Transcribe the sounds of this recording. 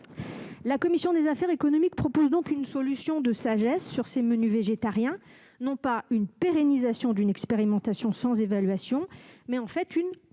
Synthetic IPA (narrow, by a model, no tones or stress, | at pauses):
lakɔmisjɔ̃d̪ezafɛʁekɔnɔmik̚pχɔpozd̪ɔ̃kynsɔlysjɔ̃d̪əsaʒɛsːyʁsemənyveʒet̪aʁjɛ̃ | nɔ̃paynpeʁenizasjɔ̃d̪ynɛkspeʁimɑ̃t̪asjɔ̃sɑ̃zevalɥasjɔ̃mɛɑ̃fɛt̪yn